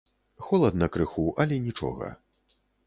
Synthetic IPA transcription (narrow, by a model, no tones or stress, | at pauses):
xɔlˠɐd̪nɐkɾɨxuʔɐlʲɛnʲit͡ʂɔ̰ɣɐ̰